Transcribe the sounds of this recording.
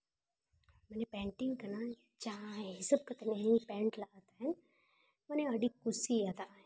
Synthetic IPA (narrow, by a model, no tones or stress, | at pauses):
mɛnepɛ̃ːɳʈɪŋɡkɐna | d͡ʒɐɦãɦɛɦɪsəb̚kɐt̪enenĩpɛ̃ːɳʈlɐɡaːt̪aɦɛn | mɛːneɐɽikʊsijat̪aɛ̃